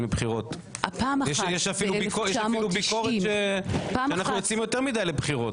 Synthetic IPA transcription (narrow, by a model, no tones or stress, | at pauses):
lebχiʁo̞t | apaːmjɛʃjɛʃafilubikojɛafilubikoʁeʃeʃeanaχnujot͡simjoteʁmidajlebχiʁo̞t